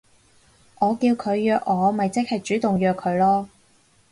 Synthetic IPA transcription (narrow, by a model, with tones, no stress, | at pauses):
ʔɔː˨˧kiː˧wkʰɵ˨˧ɥjœː˧k̚ŋɔː˨˧mɐ˨jt͡sɪ˥k̚hɐ˨jt͡ʃyː˨˥t̪ʊ˨ŋjœː˧kʰɵ˨˧ɥlɔː˥